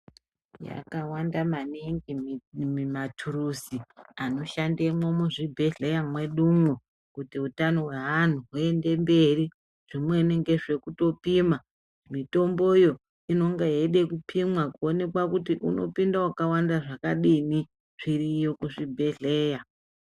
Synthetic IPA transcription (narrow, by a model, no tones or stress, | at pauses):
ja̰kawandamaniŋɡimmatʰurusiano̞ʃandemwomuʐibʱe̞ɮe̞jamwe̞ɗumwo | kutiutano̞ɦwean̤uɦue̞nde̞mbe̞ri | ʐ̥imwe̞neŋɡe̞ʐe̞kuto̞pima | mito̞mbojo̞ | ino̞ŋɡaeɗe̞kupʰimwakuone̞kwakutiʔuno̞̰pindawakawandaʐakaɗini | ʐ̥irijokuʐibʱe̞ɮe̞ːja